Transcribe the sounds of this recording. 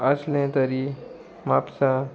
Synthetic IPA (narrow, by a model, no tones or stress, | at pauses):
aslẽt̪əɾi | mapsa